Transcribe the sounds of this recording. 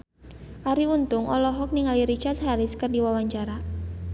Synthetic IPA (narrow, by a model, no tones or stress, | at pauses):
ʔaɾiunt̪ʊŋʔɔ̰lɔɦɔk̚niŋaliɾit͡ʃart̪̚haɾɪskərdiwawaɲt͡ʃaɾa